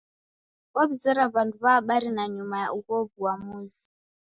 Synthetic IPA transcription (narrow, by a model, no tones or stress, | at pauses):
βaβizɛɾaβanduβaːɓaɾinaɲumajaʔukɔβuwamuːzi